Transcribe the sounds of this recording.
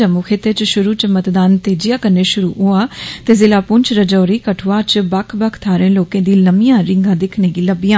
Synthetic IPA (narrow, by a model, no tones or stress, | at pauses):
əmukʰeːt̪eːt͡ʃʃʊɾuːt͡ʃmət̪d̪aːnt̪eːd͡ʒɪjaːkəneːʃʊɾṵːɦoːaːt̪eːzɪlaːpʊnt͡ʃɾəd͡ʒɔːɾiːkəʈʰoaːt͡ʃbəkʰbəkʰt̪ʰaːɾẽːloːkẽːd̪iːləmijãːɾɪŋɡãːd̪ɪkʰneːɡiːləbijãː